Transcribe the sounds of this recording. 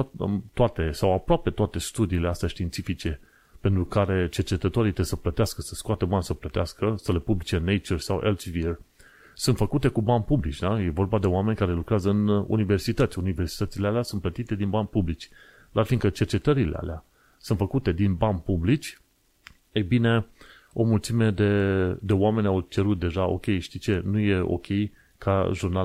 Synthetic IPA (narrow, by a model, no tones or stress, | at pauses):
t̪oat̪e̞sawapɾoape̞t̪oat̪e̞st̪ud̪iːle̞ast̪eaʃt̪iːnt̪sifit͡ʃe̞ | pe̞nt̪ɾukaɾe̞t͡ʃe̞rt͡ʃe̞t̪ət̪o̞ɾit̪esəplət̪easkəsəskoat̪ebansəplət̪easkəsəle̞publit͡ʃe̞nejt͡ʃersawʔḛlt͡ʃvir | sunt̪fəkut̪e̞kubanʲpublit͡ʃʲd̪aje̞vo̞rbad̪e̞oame̞nʲkaɾe̞lukɾeazəɨnṵnive̞rsit̪ət̪sʲunive̞rsi̥t̪ət̪silealeasunt̪plət̪it̪e̞d̪inbanʲpublit͡ʃʲ | d̪arfiŋkət͡ʃe̞rt͡ʃe̞t̪əɾileʔa̰lea | sunt̪fəkut̪e̞d̪inbanʲpublit͡ʃʲ | ejbine̞ | o̞mult̪sime̞d̪e̞d̪e̞oame̞nʲawt͡ʃe̞ɾut̪̚d̪e̞ʒao̞̰kʲe̞jʃt̪it͡ʃe̞nuje̞o̞̰kʲʰe̞j | kʰaʒurna